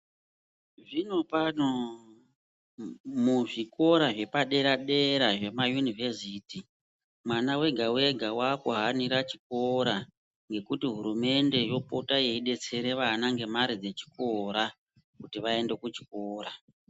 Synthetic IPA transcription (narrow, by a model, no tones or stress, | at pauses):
ʐino̞pano | muʐiko̞ɾaʐe̞paɗe̞ɾaɗe̞ɾaʐe̞majunive̞siti | mwanawe̞ɡʱawe̞ɡʱawakuɦaniɾat͡ʃi̥k̚o̞ɾa | ŋɡe̞kutiɦuɾume̞nde̞jo̞potaje̞iɗe̞t͡se̞ɾe̞ʋanaŋɡe̞maɾid͡ze̞t͡ʃi̥ko̞ɾa | kutiʋae̞nde̞kut͡ʃi̥koːɾa